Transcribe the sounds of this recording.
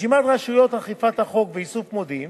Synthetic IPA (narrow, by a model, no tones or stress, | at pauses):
imat̪ʁaʃujot̪haχifat̪haχo̞kveisufmod̪im